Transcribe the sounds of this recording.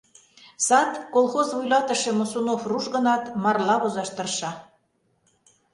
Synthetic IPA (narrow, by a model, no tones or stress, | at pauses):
sɑt̪kolˠxozβujlɑt̪ə̆ʃĕmosunofruʒɣə̆nɑt̪mɑrlɑβozɑʃt̪ərʃɑ